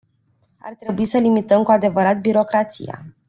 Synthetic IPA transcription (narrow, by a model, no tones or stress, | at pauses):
a̰rt̪ɾe̞buisəlimit̪əmkuad̪e̞vəɾat̪biɾo̞kɾat̪sḭja̰